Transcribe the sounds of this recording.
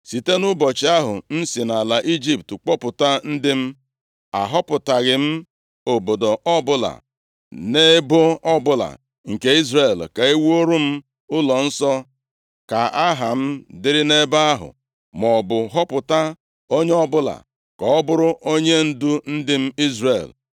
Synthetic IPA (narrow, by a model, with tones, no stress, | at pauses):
si˨te˦nʊ˦bɔ˨t͡ʃɪ˦a˦ɦʊ̰˨n̩˦si˨na˨la˨ʔi˦d͡ʒi˨ptk͡pɔ˦pʊ˨ta˦n̩˦dɪ˦m̩˦ | a̰˨ɦɔ˦pʊ˨ta˨ɣɪ˨m̩˦ | o˨bo˨do˨ʔɔ˦bʊ˦la̰˨ | ne˦bʊ˦ɔ˦bʊ˦la̰˨ | ŋ̩˨ke˦i˦zre˨lka˨i˦wo˦ɾu˦m̩˦ | ʊ˦lɔ˨n̩˦sɔ˦ | ka˨a˦ɦa˨m̩˦dɪ˦ɾɪ˦ne˦ba˦a˦ɦʊ̰˨ | mɔ˨bʊ˨ɦɔ˦pʊ˨ta˦ | o˦ɲe˦ɔ˦bʊ˦la̰˨ | kɔ˨ɔ˦bʊ˦ɾʊ˦ʔo˦ɲe˦n̩˦du˦n̩˦dɪ˦m̩˦i˦zre˦˨l